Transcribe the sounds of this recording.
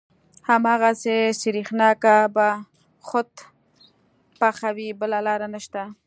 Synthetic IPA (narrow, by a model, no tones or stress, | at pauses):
hamɑɣasesiɾixnɑkaba | xʊt̪ | paxawibəlalɑɾanəʃt̪a